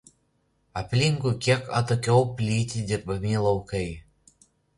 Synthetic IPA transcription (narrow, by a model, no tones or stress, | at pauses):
ɐpʲlʲɪŋkʊkʲiɛkɐt̪okʲɛʊpʲlʲiːt̪ʲid̪ʲɪɾbɐmʲɪlˠɐʊkɐɪ